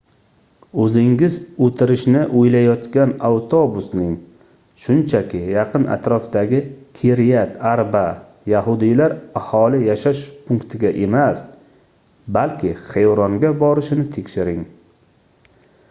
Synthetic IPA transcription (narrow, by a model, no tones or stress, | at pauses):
ɵzɪŋɡʲɪzɵt̪ʰɪɾɪʃnɪʔojlajɒt̪kʲanawt̪ʰobʊsnɪŋ | ʃʊnt͡ʃʰakʲɪjɑqʰɨna̰t̪ɾɒfd̪aɡʲɪkʲʰeɾjat̪aɾba | jaɦʊd̪ijlaɾahɒlɪjaʃaʃpʊŋkt̪ʰɪɡʲaʔe̞mas | balkʲʰɪχejɾɒŋɡʲabɒɾɪʃɪnɪt̪ʰe̞kʲʃɪɾɪŋ